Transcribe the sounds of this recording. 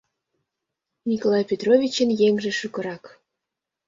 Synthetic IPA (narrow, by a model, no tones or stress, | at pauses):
nʲikolˠɑjpʲet̪rovʲit͡ɕənjeŋʒĕʃukɤ̆ɾɑk